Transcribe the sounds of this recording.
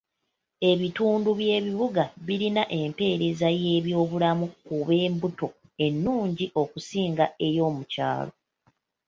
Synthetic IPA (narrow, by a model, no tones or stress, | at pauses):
e̞βituːnduβje̞ːβiβuɡaβiɾinaʔe̞mpe̞ːɾezaje̞ːβjo̞ːβulamukuβe̞ːmbuto̞ | e̞nːuːɲɟiʔo̞kusiːŋɡae̞jo̞ːmuca̰ːlo̞̰